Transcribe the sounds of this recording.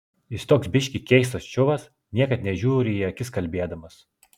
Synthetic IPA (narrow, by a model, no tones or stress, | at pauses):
ɪst̪oːksbʲɪʃʲkʲikʲɛɪs̬t̪ɐst͡ʃʲʊʋɐs | nʲiɛkɐt̪nʲɛʒʲuːɾʲɪːɐkʲɪskɐlʲbʲeːd̪ɐmɐs